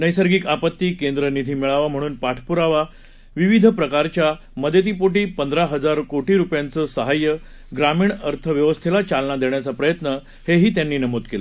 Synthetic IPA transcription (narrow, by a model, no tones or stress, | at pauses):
nəjsəɾɡiːkapət̪ːiːkend̪ɾənid̪ʱiːmiɭaʋam̤əɽ̃uːnpaʈʰpuɾaʋa | ʋiʋid̪ʱəpɾəkaɾt͡ɕja | məd̪ʱjət̪̬iːpoʈiːpənd̪ɾaɦəd͡zaɾkoʈiːɾupjãnt͡səːsəɦajə | ɡɾamiːɳəɾt̪ʰəʋjəʋəst̪ʰelat͡salnad̪eɳjat͡sapɾəjət̪nə | heɦiːt̪janːiːnəmod̪kele